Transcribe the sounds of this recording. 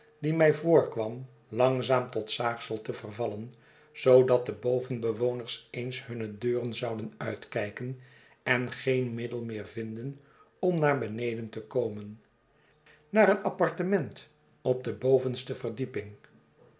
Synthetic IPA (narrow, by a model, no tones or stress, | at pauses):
dimɛjvoːɹkʋɑm | lɑŋzaːmtɔtsaːχsəlˠtəvərvɑlən | z̥owdɑt̚dəbowvənbəʋownəɹsejnsɦɵnədøːrənzɑwdənœɥtkɛjkən | ɛnχejnmɪdəlˠmɪːɹvɪndən | ɔmnaːɹbənejdəntəkowmən | naːɾənɑpɑɹtəmɛnt | ɔb̚dəbowvənstəvərdipɪŋ